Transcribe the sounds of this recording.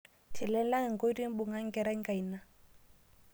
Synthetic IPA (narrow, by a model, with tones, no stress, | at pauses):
tʰɪ˨lɛ˦nla˦ŋ˨ŋ̩˨ko˦ɾi˦ŋ̩˦bʊ˨ŋa˦ŋ̩˦kɛ˨ɾa˦ŋ̩˦ka˨i˨na˦